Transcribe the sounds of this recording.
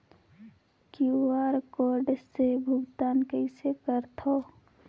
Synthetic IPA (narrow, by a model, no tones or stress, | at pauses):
kuaɾkoɾɖsebʱʊɡt̪aːnkəɪsekəɾt̪ʰo